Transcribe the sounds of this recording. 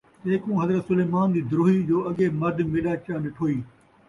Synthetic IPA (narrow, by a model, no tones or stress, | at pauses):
teːkũːɦɐzɾət̪sʊleːmaːnd̪iːd̪ɾoːɦid͡ʑoːɐɠemɐɾd̪meːɗaːt͡ɕaːmẽʈʰoːiː